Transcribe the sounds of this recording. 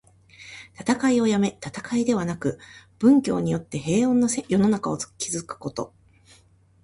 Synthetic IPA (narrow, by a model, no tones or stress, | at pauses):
t̪at̪akaio̞jame̞t̪at̪akaid̪e̞βanakɯ̟b̥ɯ̟̃ŋkʲo̞ːɲ̟ijo̞t̪ːe̞ɦe̞ːõ̞nːosejo̞no̞nakao̞̥kʲizɨkɯ̟̥ko̞t̪o̞̰